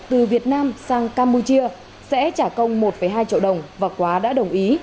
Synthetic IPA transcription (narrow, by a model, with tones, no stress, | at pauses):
t̪ɨ˨˩vi˨˩ət̚naː˧msaː˧ŋkaː˧mpu˧t͡ɕi˧ə | sɛ̰˧˥t͡ɕaː˧˩kə˧wŋ͡mmo˨˩t̚fə˧˩jɦaː˧jt͡ɕi˧ə˨wɗə˨˩wŋ͡mvaː˨˩kwaː˨˦ɗa̰ː˧˥ɗə˨˩wŋ͡mʔi˨˦